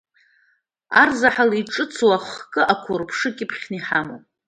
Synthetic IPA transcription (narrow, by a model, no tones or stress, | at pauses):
a̰rzaħaliiʈ͡ʂʼɨt͡sʰwaχkʼɨʔakʷʰʊrpʰʂɨkʲʼɪpʰχʲniħamo